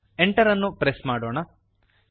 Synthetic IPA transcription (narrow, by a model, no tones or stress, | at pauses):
eɳʈɐɾɐnːupɾesmaːɽoːɳɐ